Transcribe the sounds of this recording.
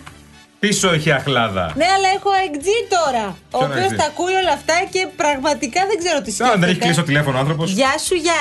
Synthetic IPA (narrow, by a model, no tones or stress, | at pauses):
piso̞eçiɐxlɐðɐ̰ne̞ɐlɐe̞xo̞eŋɡd͡zit̪o̞ɾɐo̞ːpio̞stɐːkuio̞lɐft̪ɐce̞pɾɐɣmɐt̪ikɐðeɡze̞ɾo̞t̪isðeneçikklisiot̪ile̞fonoɐnθɾoposʝɐsuʝɐ